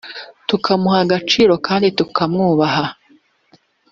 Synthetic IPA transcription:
tukʰamuhaɡat͡ʃiːɾo̞kaːnditukʰamŋuːβaɦa

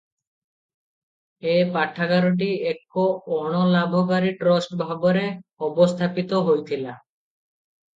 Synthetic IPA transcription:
epaʈʰːakaɾoʈ̬iekːoɔɽ̃ɔlabʱɔk̬aɾiʈɾɔsʈbʱabɔɾeɔbost̪ʰapit̪oɦojt̪ʰila

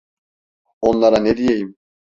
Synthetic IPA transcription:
o̞nlˠaɾaned̪ijejim

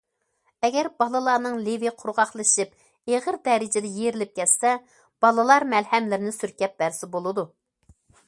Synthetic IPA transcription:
ɛɡʲɛɾbɑlˠɨlˠɑɾnɨŋleviqʰʊɾʁɑχlˠɨʃip | eʁəɾd̪ɛɾɪd͡ʒɪd̪ɛjeɾɪlɪp̚kʲɛt̪sɛ | b̥ɑlˠɨlˠɑɾmɛlhɛmlɪɾɪnɪsyɾkʲɛp̚b̥æɾsɪbolˠɨd̪u

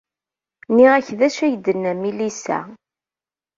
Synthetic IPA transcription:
niʁæçðæʃæjəd̪ənːæmilisæ̰

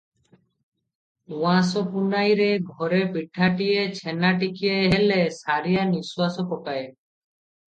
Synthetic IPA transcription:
wãsopunajɾeɡʱɔɾepiʈʰːaʈiet͡ɕʰenaʈikijaɦelesaɾijaniswasokɔkaj

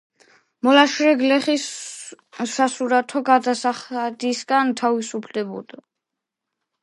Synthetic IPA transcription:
mɔlaʃɾɛɡlɛχisː | asuɾat̪ʰɔɡad̪asaχad̪isɡant̪ʰavisupʰlɛbɔ̰d̪̥a

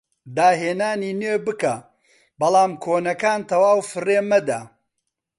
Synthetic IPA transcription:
d̪aːɦeːnaːniːneːbɨka | bɐlˠaːmkʰoːnɐkaːnt̪ʰɐwaːwfɨreːmɐd̪a

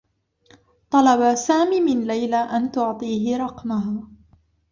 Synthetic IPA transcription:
t̪ˤɑlɑbasaːmiːmɪnlajlaːʔant̪ʊʕt̪ˤiːɦɪɾˤɑqmaɦaː

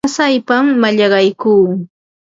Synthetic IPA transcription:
sajpamːaʎɑɢɑjkuː

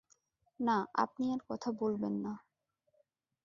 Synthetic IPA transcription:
naʔa̰p̚niaɾkɔt̪ʰabolbenːa

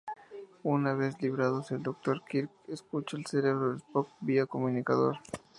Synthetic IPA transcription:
unaβesliβɾaðoseld̪ok̚t̪oɾkiɾkeskut͡ʃoelseɾeβɾoðespok̚biakomũnikaðo̰ɾ

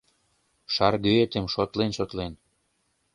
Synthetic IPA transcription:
ʃɑrɣøet̪emʃot̪lenʃot̪len

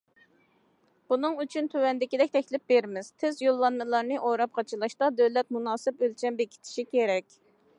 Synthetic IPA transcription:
b̥unɨŋyt͡ʃʰynt̪ʰøwɛnd̪ɪkʲid̪ɛkʲt̪ʰɛkʲlɪp̚beɾmɪz̥t̪ʰɪzjolˠːɑnmɨlˠɑɾnɨʔoɾɑp̚qʰɑt͡ʃʰɨlˠɑʃt̪ɑd̪øwlɛt̪̚munɑːsɨpølt͡ʃʰɛmbekʲʰi̥t̪ʰɪ̥ʃikʲʰeɾɛkʲ

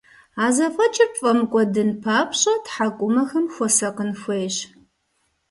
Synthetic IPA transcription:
aːzɐfʼɐt͡ʃʼɪrpfʼɐmɨkʷʼɔdɨnpʰaːpʰɕʼɐtħakʷʼʊmɐxɐmxʷɔsɐqənxʷejɕ

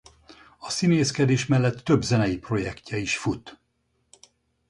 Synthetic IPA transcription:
ɒsineːskɛd̪eːʃmɛlːɛt̪ːø̞bzɛnɛjipro̞jɛkcɛiʃfut̪

